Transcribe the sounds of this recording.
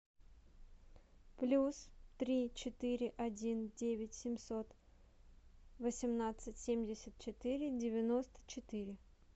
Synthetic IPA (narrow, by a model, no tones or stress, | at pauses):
plʲust̪ɾʲit͡ɕɪt̪ɨɾʲɪʔɐdʲindʲevʲɪtʲsʲɪmʲsot̪ | vəsʲɪmnat̪sɨtʲsʲemʲdʲɪsʲɪt̪̚t͡ɕɪt̪ɨɾʲɪdʲɪvʲɪno̞st̪ə̥t͡ɕɪt̪ɨɾʲɪ